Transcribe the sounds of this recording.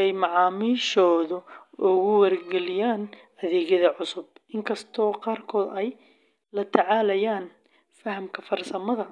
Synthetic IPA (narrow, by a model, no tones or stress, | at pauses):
ɛjmɑʕɑːmiːʃɔːðʊʔʊɣʊwɐrɡɛlɪjaːnʔɐðɛːɣjɐðɐʕʊsʊbʔɪŋkʰɐst̪ʰɔːqɑːrkʰɔːd̪ɛj | lɐt̪ʰɐʕɑːlɐjaːn | fɐhɐmkʰɐfɐrsɐmɐðɐ